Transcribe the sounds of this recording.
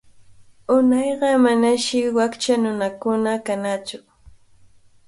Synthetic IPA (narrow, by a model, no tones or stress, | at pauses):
ʊnɑjɢɑmanaʃɪwakt͡ʃanʊnakʊnakanat͡sʊ